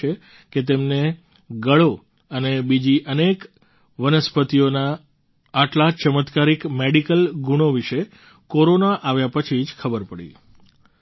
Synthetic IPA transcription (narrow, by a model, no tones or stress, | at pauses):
e | ket̪emne | ɡəɭo | ənebid͡ʒiʔənek | ʋənəspət̪ijonaː | ʈlat͡ʃəmət̪kaɾikmeɽikəlɡuɽ̃oʋiʃe | koɾonaʔaʋjapət͡ʃʰid͡ʒkʰəbəɾpəɽḭ